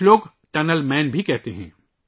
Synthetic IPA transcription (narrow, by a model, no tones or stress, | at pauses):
loːɡ | ʈɐnəlmɛ̃ːnbʱikɛɦt̪eɦɛ̰̃ː